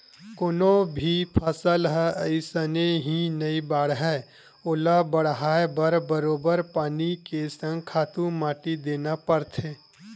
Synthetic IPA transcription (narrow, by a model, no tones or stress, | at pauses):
koːnõbʱipʰəsəlɦɛəɪsəneɦinɐibaːɽɦɛ | ʊːlabəɽɦaːebəɾbəɾoːbəɾpaːnikesə̃ŋɡ̚kʰaːt̪ũmaːʈid̪eːnapəɾt̪ʰeː